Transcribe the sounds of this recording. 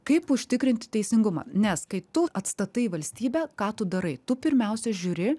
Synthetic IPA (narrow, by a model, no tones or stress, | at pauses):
kɐɪpʊʃʲt̪ʲɪkɾʲɪnʲt̪ʲɪt̪ʲɛɪsʲɪŋɡʊmɑ̰ːnʲɛskɐɪt̪ʊɐt̪st̪ɐt̪ɐɪʋɐlʲsʲt̪ʲiːbʲæːkɑːt̪ʊd̪ɐɾɐɪt̪ʊpʲɪɾʲmʲɛʊsʲɛʒʲuːɾʲɪ